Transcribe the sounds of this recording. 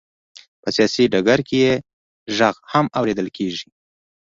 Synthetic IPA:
pəsijɑsiɖaɡaɾkeje | ʒaɣhamawɾed̪əlkʰeʒi

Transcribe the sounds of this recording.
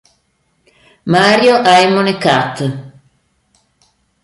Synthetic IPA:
maɾjoʔajmonekat̪ː

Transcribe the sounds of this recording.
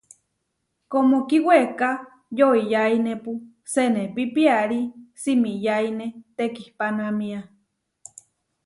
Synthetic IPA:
komokiweka | joijainepu | senepipiaɾisimijainet̪ekihpanamĩa

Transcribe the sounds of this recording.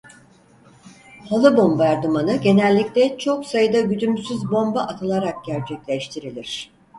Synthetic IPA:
halˠɯbo̞mbaɾd̪umanɯɟe̞nɛlʲːiclʲɛt͡ʃʰo̞ksajɯd̪aɟyd̪ymsyzbo̞mbaʔat̪ʰɯlˠaɾak̚ɟæɾt͡ʃʰɛclʲɛʃt̪ʰiɾilʲiɾ̝̥

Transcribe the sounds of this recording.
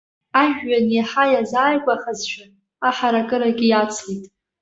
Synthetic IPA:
aʒᶣɥanjaħajazaːjɡʷʼaχazʃʷᶣʰa | aħaɾakʼɨɾaɡʲijat͡sʰlitʼ

